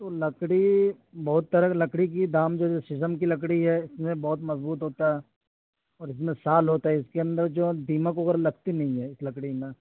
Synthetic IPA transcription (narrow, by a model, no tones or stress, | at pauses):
t̪oːlɐkɽi | bɐɦʊt̪ːɐɾəlɐkɽik̬id̪aːmd͡ʒoːosɪsəmkilɐk̬ɽiɦɛɪsmẽbɐɦʊt̪mɐzbuːt̪ɦoːt̪aɦɛː | ɔːɾɪs̬mẽsaːlɦoːt̪aɦɛɪskeɐ̃nd̪əɾd͡ʒoːd̪iːməkoɡəɾlɐɡt̪inɐɦĩɦɛɪslɐkɽimẽ